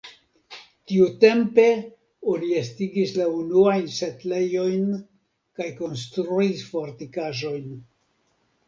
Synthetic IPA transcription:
tiute̞mpe̞ | oniestiɡislaunuajnse̞tle̞jo̞jn | kajko̞nstɾuisfo̞ɾtikaʒo̞jn

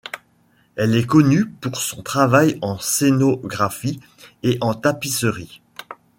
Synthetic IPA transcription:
ɛlɛkɔnypuʁsɔ̃t̪χavajɑ̃senoɡʁafi | eʔɑ̃t̪apisəʁi

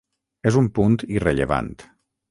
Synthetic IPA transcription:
ezumpunt̪ireʎəβa̰nt̪

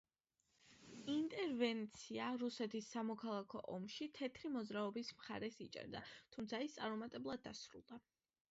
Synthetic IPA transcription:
int̪ʼɛɾvɛnt̪sʰiaɾusɛt̪ʰisːamɔkʰalˠakʰɔʔɔmʃit̪ʰɛt̪ʰɾimɔd̪zɾaɔbismχa̰ɾɛsit͡ʃʼɛ̰ɾd̪a̰t̪ʰumt̪sʰaist̪sʼa̰ɾmɔmat̪ʼɛblˠad̪ːasɾṵlˠd̪a

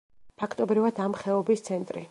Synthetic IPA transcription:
pʰakʰt̪ʼɔbɾivad̪amχɛɔbist̪sʰɛnt̪ʼɾḭ

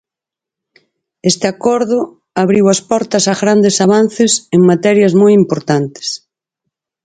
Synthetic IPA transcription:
est̪ɪakɔɾðʊ | aβɾiwɐspɔɾt̪ɐsaɣɾand̪esaβ̞an̟θɪseŋmat̪ɛɾjɐzmojimpoɾt̪ant̪ɪ̥s

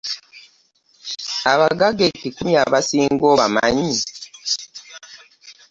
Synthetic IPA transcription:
aβaɡaɡekikumjaβasiːŋɡoːβamaɲi

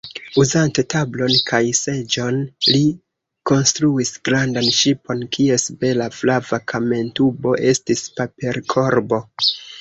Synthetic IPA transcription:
uzante̞tablo̞nkʰajse̞d͡ʒo̞nli | ko̞nstɾuisɡɾandanʃipo̞nkʰie̞sbe̞laflavakʰame̞ntubo̞ʔe̞stispape̞ɾkʰo̞ɾbo̞

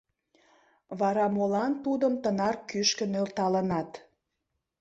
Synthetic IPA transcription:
βɑɾɑmolɑnt̪ud̪əmt̪ənɑrkyʃkə̆nølt̪ɑlənɑt̪

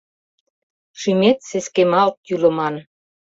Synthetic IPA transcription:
ʃymet̪seskemɑlk̪̚jylə̆mɑn

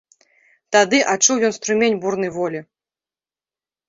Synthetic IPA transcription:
t̪ad̪ɨʔat͡ʂuwjɔnst̪ɾumʲenʲburnɨjvɔlʲi

